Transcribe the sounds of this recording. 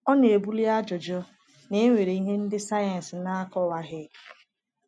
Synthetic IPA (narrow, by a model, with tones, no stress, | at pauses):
ɔ˦n˦˨e˨bu˦li˦a˦d͡ʒɔ˨d͡ʒɔ˦ | ne˦ŋʷe˨ɾe˨i˦ɦe˦n̩˦dɪ˦sa˦ja˨n˨sna˦kɔ˦wa˦ɣɪ˦